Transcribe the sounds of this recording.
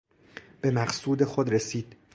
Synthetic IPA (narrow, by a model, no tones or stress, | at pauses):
b̥e̞mæɢsuːd̪exod̪ɾesiːd̪̥